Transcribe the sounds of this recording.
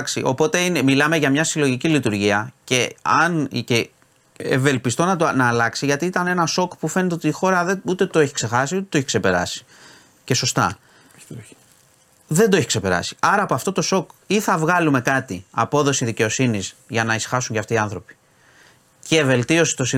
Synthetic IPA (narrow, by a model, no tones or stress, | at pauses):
ksḭʔo̞po̞t̪e̞inemilɐme̞ʝɐmɲɐsilo̞ʝicilit̪uɾʝiɐce̞ɐnce | ḛve̞lpist̪o̞nɐt̪onɐːlɐksiʝɐt̪iit̪ɐne̞nɐso̞kpufe̞net̪eo̞t̪iːxo̞ɾɐðeut̪e̞t̪o̞eçi̥kse̞xɐsiut̪et̪oeçi̥kse̞pe̞ɾɐ̰si̥ | ce̞so̞st̪ɐ̰ | ðe̞nd̪oeçi̥kse̞pe̞ɾɐ̰si̥ɐɾɐːpoɐft̪o̞t̪o̞so̞kiθɐvɣɐlume̞kɐt̪iɐpo̞ðo̞siðice̞o̞sinizʝɐnɐisxɐsuɲceɐft̪iːɐnθɾo̞pi̥ | ce̞ve̞lt̪io̞se̥t̪o̞si